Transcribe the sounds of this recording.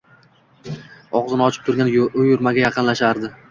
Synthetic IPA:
ɒʁzɪnɒt͡ʃʰɪ̥p̚t̪ʰʊɾɡʲanʊjʊɾmaɡʲajɑqɨnlaʃaɾd̪ɪ

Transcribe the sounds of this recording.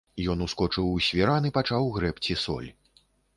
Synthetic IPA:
jɔnuskɔt͡ʂɨwusʲvʲiɾanɨpat͡ʂawɣɾɛpt͡sʲisɔ̰lʲ

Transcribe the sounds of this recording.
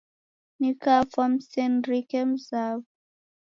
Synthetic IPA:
nikafɔmsɛnɾikɛm̩zav

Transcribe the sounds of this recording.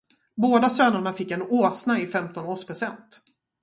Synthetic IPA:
boːd̪asøːnaɳafɪkːɛnoːsnaɪfɛmt̪ɔnoːʂpʰɾʊsɛnt̪

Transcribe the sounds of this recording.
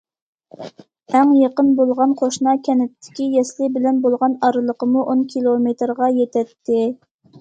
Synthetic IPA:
æŋjeqənbolˠʁɑnqʰoʃnɑkʲʰɛnɪt̪ʰːɪ̥kʲijɛslɪbɪlɛnbolˠʁɑnɑɾɨlˠəqəmuʔonkʲʰilˠomet̪ɾʁɑjet̪ʰɛt̪ʰːɪ

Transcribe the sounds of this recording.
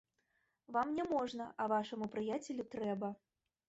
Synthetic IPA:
vamnʲɛmɔʐnɐʔɐvaʂɐmupɾɨjat͡sʲelʲut̪ɾɛbɐ

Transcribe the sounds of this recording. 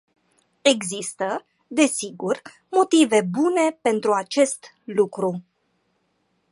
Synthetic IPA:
e̞ɡzist̪ə | d̪e̞siɡur | mo̞t̪ive̞bune̞pe̞nt̪ɾuat͡ʃe̞st̪ | lukɾu

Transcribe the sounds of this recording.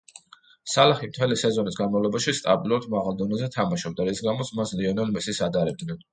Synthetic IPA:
salˠaχimt̪ʰɛlisɛzɔnisɡanmavlˠɔbaʃist̪ʼabilˠuɾad̪maʁalˠd̪ɔnɛzɛt̪ʰamaʃɔb̚d̪aɾisɡamɔt̪sʰmasliɔnɔlmisisad̪aɾɛb̚d̪nɛn

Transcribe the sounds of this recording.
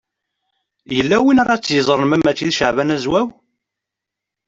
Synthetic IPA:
jəlːæwinaɾɑt͡sːjəzˤɾˤənmæmæt͡sːiðʃəʕvænæzwæw

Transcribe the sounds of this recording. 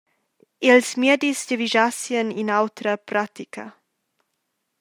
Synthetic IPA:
ilsmedisdəviʒasjəninawt̪ɾəpɾat̪ikʰɐ̰

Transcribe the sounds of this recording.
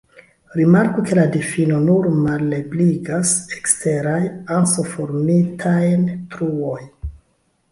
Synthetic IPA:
ɾimaɾkuke̞ladifino̞nuɾmalːe̞bliɡasekste̞ɾajansofoɾmitʰajntɾuoj

